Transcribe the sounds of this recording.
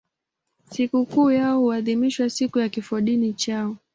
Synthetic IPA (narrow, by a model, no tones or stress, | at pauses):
sikukuːjaɔhuaðimiʃwasikujakifɔɗinit͡ʃaɔ